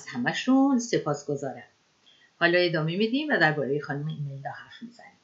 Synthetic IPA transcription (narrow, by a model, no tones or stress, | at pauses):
æz̥hæmæʃunse̞pʰɒːsɡ̥o̞zɒːɾæm | hɒːlɒe̞d̪ɒːme̞mid̪iːmvæd̪æɾbɒːɾe̞jexɒːnumeimeld̪ɒːhæɾfmizænim